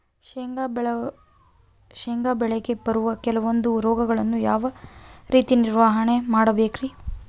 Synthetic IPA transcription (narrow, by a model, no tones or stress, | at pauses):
ɡ | ʃeŋɡaːbɛɭeɡe̞bɐɾuʋɐkɛlɐʋo̞nd̪uɾɔːɡɐɡɐɭɐnːujaːʋɐɾʔiːt̪iniɾʋaːɦɐɳe̞maːɽɐbeːkɾi